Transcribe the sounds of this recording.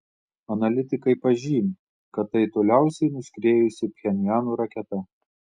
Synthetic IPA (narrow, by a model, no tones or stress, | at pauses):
ɐnɐlʲɪt̪ʲɪkɐɪpɐʒʲiːmʲ | kɐt̪ːɐɪt̪oːlʲæˑʊsʲɛɪnʊsʲkɾʲeːjʊsʲɪpʲxʲɛnʲjæːnuːɾɐkʲɛt̪ɐ